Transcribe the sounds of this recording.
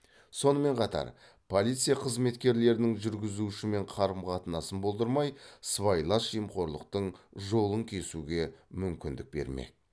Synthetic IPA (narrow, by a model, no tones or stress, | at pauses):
so̞nəme̞ɴqʰɑt̪ɑ̰ɾ | pʰo̞lʲijt̪sɨjaqʰəzme̞t̪kʲe̞ɾle̞ɾɪnɪŋʒʏɾɡʲɪzuɪʃɪme̞ɴqʰɑɾəmqʰɑt̪ənɑsənbo̞lˠd̪əɾmɑjsvɑjlˠɑʃijəmqo̞ɾlˠəq̚t̪əɴʒo̞lˠəŋkʲʰe̞suɡʲe̞mʏmkʲɪnd̪ɪk̚be̞̰ɾmḛk̚